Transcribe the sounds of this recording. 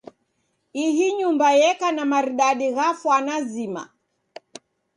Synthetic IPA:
iɦiɲumbajɛkanamaɾiɗaɗiɣafwanazima̰

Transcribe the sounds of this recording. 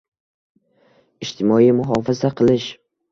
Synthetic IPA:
ɪd͡ʒt̪ʰɪmɒimʊɦɒfazaqʰɨlˠɪʃ

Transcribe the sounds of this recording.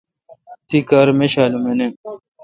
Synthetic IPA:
t̪ikaːɾmeɕaːlumene

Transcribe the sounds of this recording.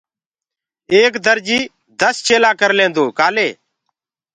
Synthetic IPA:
eːkd̪əɾd͡ʒiː | d̪əst͡ʃeːlãːkəɾlẽːnd̪oːkaːleː

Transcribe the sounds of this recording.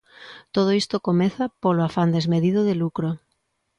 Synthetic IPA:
t̪oð̞oist̪okomeθapoloafand̪ezmeðiðoðelukɾo

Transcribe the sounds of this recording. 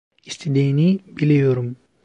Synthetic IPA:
ist̪ʰed̪ijinibilejoɾum

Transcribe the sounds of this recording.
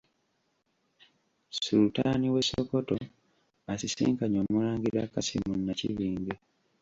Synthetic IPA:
suɾutaːniwe̞sːokoto̞ | asisḭːŋkaɲo̞ːmulaːŋɡiɾakasḭmunːacḭβiːnɡe

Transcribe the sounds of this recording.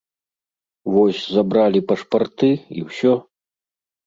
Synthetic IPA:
vɔsʲzabɾalʲipɐʂpart̪ɨḭwsʲɔ

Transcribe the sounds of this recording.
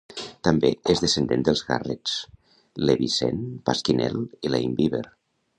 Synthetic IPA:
t̪ambeezðesend̪end̪əlˠzɣares | leβisḛnpaskinɛ̰lilaimbiβḛɾ

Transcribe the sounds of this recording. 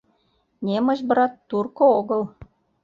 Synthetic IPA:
nʲemɤ̆ʒb̆ɾɑt̪ːurkooɣɤ̆l

